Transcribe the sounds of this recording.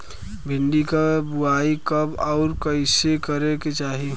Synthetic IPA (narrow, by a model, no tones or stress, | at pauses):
bʱɪ̃ɳɖikabuaikəbɔʊɾkəɪsekəɾeket͡ʃaːɦi